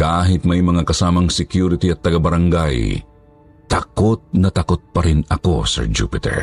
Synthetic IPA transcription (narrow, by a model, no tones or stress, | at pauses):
kaːɦɪt̪̚mɐjmɐŋakɐsaːmɐŋsɛkjuɾɪt̪iɐt̪ːɐɡabɐɾɐŋɡaj | t̪akot̪̚nɐt̪akot̪̚pɐɾɪnɐko̞sɛ̰ɹd͡ʒṵːpɪt̪ɛ̰ɹ